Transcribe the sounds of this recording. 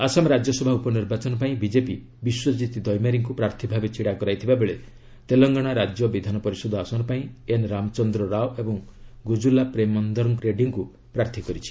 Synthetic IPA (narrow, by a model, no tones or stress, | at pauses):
asamɔɾad͡ʒjɔsɔbʱaupɔniɾbat͡ʃɔnɔpaĩbid͡ʒepi | biswɔd͡ʒit̪id̪ɔjmaɾiŋkupɾaɾt̪ʰibʱabet͡ʃiɽakɔɾajt̪ʰibabeɭe | t̪elɔŋɡɔɽ̃aɾad͡ʒjɔbid̪ʱanɔpɔɾisɔd̪ʱɔasɔnɔpaĩenɾamɔt͡ʃɔnd̪ɾɔɾawebɔŋɡud͡ʒulapɾemɔnd̪ɔɾɔŋkɾeɖiŋku | pɾaɾt̪ʰikɔɾit͡ʃʰi̥